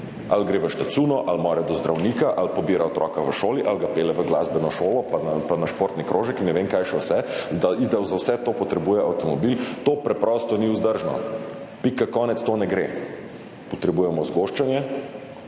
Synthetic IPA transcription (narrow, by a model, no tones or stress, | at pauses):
alɡɾeːʋəʃt̪at̪suːnɔʔalmɔːɾɛd̪ɔzd̪ɾawnikaʔalpɔbiːɾaɔt̪ɾɔ̰kaʋəʃoːliʔalɡapeːlɛʋəɡlazbɛnɔʃoːlɔpanapanaʃpoːɾt̪nikɾoːʒɛkinɛʋeŋkajʃɛwsɛzd̪aizd̪awzawsɛt̪oːpɔt̪ɾɛbuːjɛawt̪ɔmɔbilt̪oːpɾɛpɾɔst̪ɔniʊzd̪əɾʒnɔ̰ | pikakɔːnɛt̪st̪onɛɡɾḛ | pɔt̪ɾɛbuːjɛmɔzɡoʃt͡ʃanjɛ